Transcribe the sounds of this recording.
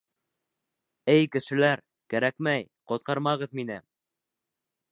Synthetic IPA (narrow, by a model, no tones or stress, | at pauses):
ɘjkɘ̆ʃɘ̆læɾ | kæɾækmæj | qŏt̪̚qɑɾmɑʁɤðminɘ